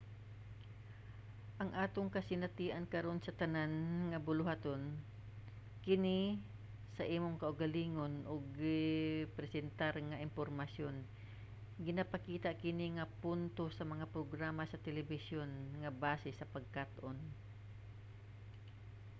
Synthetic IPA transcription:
ʔɐŋʔaːt̪oŋkɐsɪnat̪iːʔankɐɾo̞nsɐt̪ɐnanŋɐbʊlʊhat̪on | kɪni | sɐʔiːmʊŋkɐʔʊɡaliːŋonʔoɡːɪpɾɛsɛnt̪aɾŋɐʔɪmpoɾmɐsjon | ɡɪnɐpakiːt̪aʔkɪniŋɐpunt̪osɐmɐŋapɾoɡɾaːmasɐt̪ɛlɛbɪsjonŋɐbaːsɪsɐpɐɡ̚kat̪ʔon

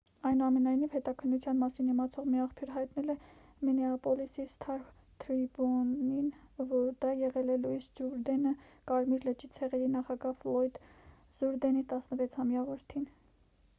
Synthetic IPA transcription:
ɑjnuɑmɛnɑjnivhɛt̪ɑkʰənːut͡sʰjɑnmɑsinimɑt͡sʰɔʁmiɑχpʰjuɾɦɑjt̪nɛlɛ | mɛnɛɑpɔlisist̪ʰɑɾ | t̪ʰɾibɔninvɔɾd̪ɑjɛʁɛlɛlujsd͡ʒuɾd̪ɛnəkɑɾmiɾlət͡ʃit͡sʰɛʁɛɾinɑχɑɡɑflɔjd̪ | z̥uɾd̪ɛnit̪ɑsnəvɛt͡sʰhɑmjɑvɔɾt̪ʰin

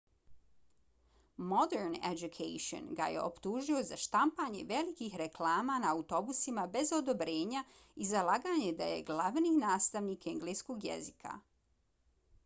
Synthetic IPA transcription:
mod̪eɾnḛd͡ʒukʰejʃo̰nɡa̰jḛʔo̞̰pt̪uːʒio̞zaʃt̪ampaːɲe̞ʋe̞likixɾeklˠaːmanaːut̪o̞busimabe̞zo̞d̪o̞bɾe̞ːɲa | izalˠaːɡaːɲe̞d̪aje̞̰ɡlˠaʋninaːst̪aʋniːkeŋɡleːskoɡjḛzikʰa̰

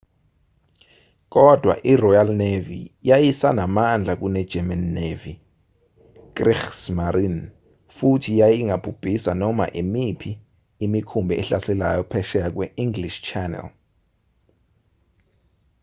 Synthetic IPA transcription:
k̬ɔd̥ʱwa̰ʔirɔjalnevḭjajisanamand͡ɮʱak̬unɛd̥ʒ̥ʱɛmanːevi | k̬ʼrixsmaɾin | futʰijajiŋʱab̥ʰʱub̥ʱisanɔma̰ʔimipʰiː | mikʰumbʱɛʔɛɬasɛlajɔpʰɛʃɛak̬wɛiŋɡliʃt͡ʃʰanɛ̰l

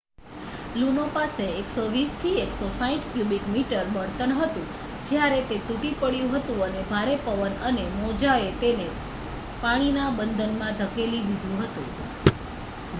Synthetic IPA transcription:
lunopaseːksoʋist̪ʰieksosãĩʈkjubiʈmiʈəɾbəɳt̪ənɦət̪ũ | d͡ʒjaɾet̪et̪uʈipəɽjũɦət̪ũənebʱaɾepəʋənənemɔd͡ʒaet̪ene | paɽ̃inabənd̪ʱənmãd̪ʱəkelid̪id̪ʱũɦət̪ṵ̃

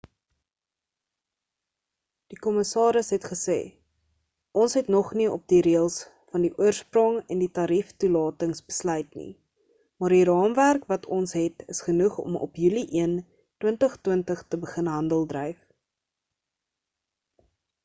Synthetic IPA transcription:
d̥ikɔməsɑːɾəsɦɛtχəsḛː | ʔɔnsɦɛtnɔχniɔp̚diɾiəlˠs | fɐndiʔuərsprɔŋɛnditɑɾiftulɑːtəŋsbəslœɥtnḭ | mɑːrdiɾɑːmværkvɐtʰɔnsɦɛtəsχənuχɔ̰mɔ̰pjyliʔiən | twəntəχtwəntəχtəbəχənɦɐndəlˠdrəjf

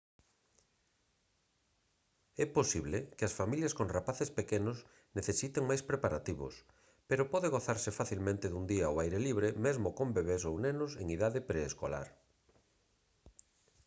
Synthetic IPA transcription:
ɛposiβlekeasfamiljaskoŋrapaθespekenʊs | neθesit̪eŋmajspɾepaɾat̪iβo̰s | peɾopɔðeɣoθaɾsefaθilmẽnt̪eðund̪iaowajɾeliβ̞ɾemezmokõmbeβesownenʊseŋiðaðepɾeːsko̰la̰ɾ

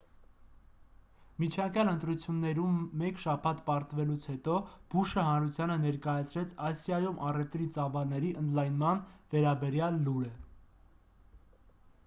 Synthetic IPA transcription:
mit͡ʃʰɑŋkjɑlənt̪ɾut͡sʰjunːɛɾumːɛkʃɑpʰɑt̪pɑɾt̪vɛlut͡sʰhɛt̪ɔb̥uʃəhɑnɾut͡sʰjɑnənɛɾkɑjɑt͡sʰɾɛt͡sʰɑsjɑjumʔɑrɛft̪ɾit͡sɑvɑlnɛɾiʔənd̪lɑjnmɑnvɛɾɑbɛɾjɑlːuɾɛ

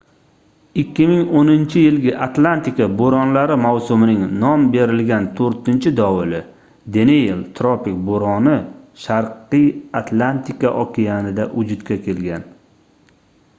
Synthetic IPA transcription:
ɪkʲːɪmɪŋonɪnt͡ʃʰɪjɪlɡʲɪʔat̪lˠant̪ikaboɾɒnlaɾɪmawsʊmɪnɪŋnɒmbe̞ɾɪlɡʲant̪ʰoɾt̪ɪnt͡ʃʰɪd̪ɒwɪlɪ | d̪eneelt̪ʰɾɒpɪk̚boɾɒnɪʃaɾqɨjat̪ʰlˠant̪ʰikaʔɒkʲʰijanɪd̪aʔʊd͡ʒʊd̪kʲakʲʰe̞lɡʲan

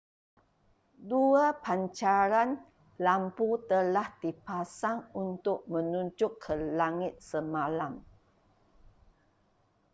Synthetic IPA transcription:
duapaɲt͡ʃaɾan | lamput̪əlahd̪ipasaŋunt̪ʊʔ̚mə̃nuɲd͡ʒʊkʰːəlaŋɪt̪̚səmalam

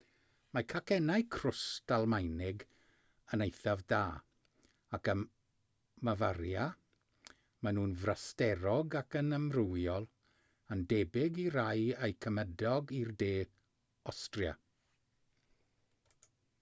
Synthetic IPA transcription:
makʰakʰɛnajkʰrʊstalˠmajnɪɡ | ənejθavdaː | akə | mavaɾja | manuːnvrastɛɾɔɡakənəmrʊwjɔlˠ | əndɛbɪɡiɾajejkʰəmədɔɡirdeː | ɔstrja̰

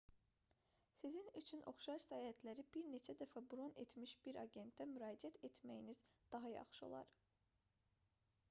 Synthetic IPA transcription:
sizinyt͡ʃʰyno̞̰χʃɑɾsæːhæt̪ʰlæɾib̥iɾne̞t͡ʃʰæd̪æfæbuɾo̞ne̞̰t̪ʰmiʃb̥iɾɑɟe̞nt̪ːæmyɾɑːd͡ʒiæt̪ʰe̞t̪ʰmæjinizd̪̥ɑɦɑjɑ̰χʃɯo̞̰lˠɑ̰ɾ

